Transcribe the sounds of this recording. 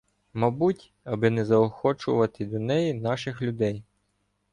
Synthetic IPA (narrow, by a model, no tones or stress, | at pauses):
mɑbutʲ | ɐbɪnɛzɐɔxɔt͡ʃʊʋɐt̪ɪd̪ɔnɛjinɑʃɪxlʲʊd̪ɛj